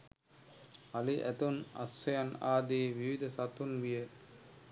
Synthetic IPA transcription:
ɐliʔæ̰t̪unɐ̰sːɐjanaːd̪iʋiʋid̪ʱɐsat̪unʋije

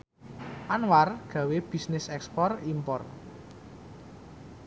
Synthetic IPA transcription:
ʔanwarɡ̥ä̤web̥i̤snɪsɛkspɔrimpɔr

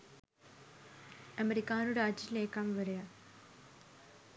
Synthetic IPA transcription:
ɐmeɾikːaːnuɽeaːd͡ʑiileːkːaːmʋɐɾɐja

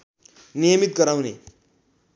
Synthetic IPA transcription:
nijʌmit̪̚ɡʌɾawnḛ

